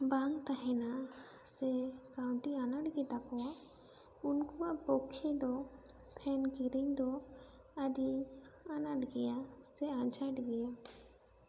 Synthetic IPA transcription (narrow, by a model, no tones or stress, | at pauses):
baŋt̪aɦɛna | sɛkawɳʈianaɖɡɛt̪akɔa | unkuapɔkʰːɛd̪ɔ | pʰɛnkiɾiɲd̪ɔ | ad̪i | anaɖɡɛja | sɛaɲt͡ʃʰaʈɡɛja